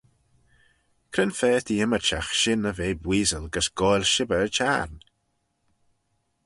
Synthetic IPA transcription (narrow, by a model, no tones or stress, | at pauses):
kʰɾənfɛːt̪ʰiɪmət͡ʃaxʃɪnəveːbwiːzəlɡəsɡ̥ɔjlʲʃɪbəət͡ʃʰa̰ɾn